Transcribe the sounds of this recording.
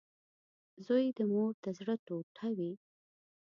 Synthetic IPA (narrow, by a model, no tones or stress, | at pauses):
zojd̪əmoɾd̪əzɽət̪oʈʰawi